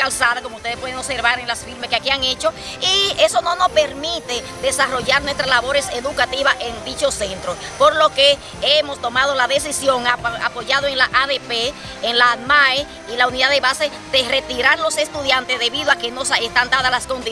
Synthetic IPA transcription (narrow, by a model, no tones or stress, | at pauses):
alsaðakomoust̪eepwe̞ðeŋoβse̞ɾβaɾeŋlasfiɾmeskeakiaŋe̞t͡ʃo̞ | ie̞so̞no̞no̞spe̞ɾmit̪e̞ | ðe̞saro̞ʝaɾnwest̪ɾaslaβo̞ɾe̞seðukat̪iβaʔe̞ŋd̪it͡ʃo̞se̞nt̪ɾospo̞ɾlo̞ke | emo̞st̪o̞maðo̞laðe̞s̬isjo̞ŋaa̰po̞ʝaðoe̞ŋlaʔaðe̞peː | ŋlaðmae | ilauniðaðeβase | ðe̞re̞t̪iɾaɾlo̞se̞st̪uðjant̪ezðe̞βiðoakenosaest̪and̪aðalasko̞nd̪i